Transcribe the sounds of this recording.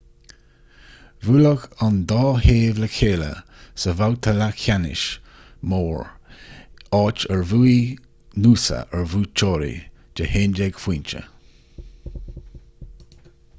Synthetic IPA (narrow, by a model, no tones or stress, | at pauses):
vuːləɡand̪ɑːheːvləkʰeːlə̰ | səvawt̪ʰəlakʰʲanɪ̰ʃ | moːɹ | ɑːt͡ʃəɹvuːi | nuːsə̰ʔəɹvuːt͡ʃʰoːɾḭ | d͡ʒ̥əheːnd͡ʒɛɡ̥fwiːnt͡ʃə̰